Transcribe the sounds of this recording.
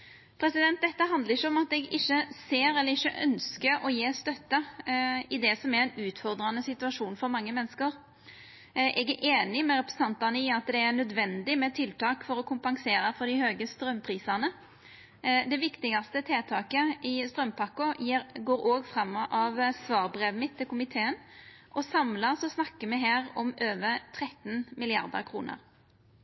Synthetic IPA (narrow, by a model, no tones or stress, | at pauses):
pʰɾɛsɪd̪ɛnt̪̚d̪ɛt̪ːəɦɑnd̪ləɾɪçːəɔmɑt̪ɛɡɪçːəseːɾɛlːəɾɪçəʔœ̰nskəɾɔjeːst̪œt̪ːə | ɪd̪ɛsɔmæɾɛnʉːt̪fɔɾd̪ɾɑnəsɪt̪ʉɑʂuːnfɔɾmɑŋːəmɛnːskəɾ | ʔɛɡæɾʔeːnɪmɛɾɛpɾɛ̥sn̩ɑnt̪ɑnəɪɑt̪d̪ɛæɾnœd̪ʋɛnd̪ɪmɛt̪ʰɪlt̪ɑːkfɔɾɔkʰʊmpɑŋseːɾəfɔɾd̪ɪhøːɡəst̪ɾœmːpʰɾiːsɑnə | d̪ɛʋɪkt̪ɪɡɑst̪ət̪ʰeːt̪ʰɑːkəɪst̪ɾœmpʰɑkːʊjɡoːɾoːɡfɾɑmːʔɑʋsʋɑːɾbɾeːʋmɪt̪ʰːɪlkʰʊmɪt̪ʰeːənʔɔsɑmlɑsɔsnɑkːəmɛɦeːɾɔmøːʋəɾt̪ʰʁɛt̪nmɪlɪɑ̰ɾd̪ə̰ɾkʰɾṵːnə̰ɾ